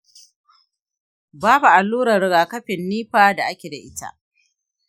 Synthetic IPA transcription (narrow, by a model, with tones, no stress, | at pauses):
baː˦bu˨ʔa˨lːuː˦ɾɐ˨ɾɪ˨ɡaː˨kɐ˦ɸɪ˨nːiː˦ɸaː˨da˨ʔa˦kʲe˨da˨ʔɪ˦ta̰˦ʔ